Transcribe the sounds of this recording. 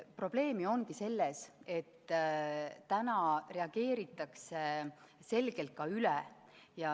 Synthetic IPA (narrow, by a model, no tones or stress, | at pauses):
pro̞b̥le̞ːmio̞ŋɡ̥ise̞lːese̞t̪ː | t̪ænɑre̞ɑɡ̥e̞ːɾit̪ːˑɑkse | se̞lɡ̥e̞lt̪̚kɑylɛ | jɑ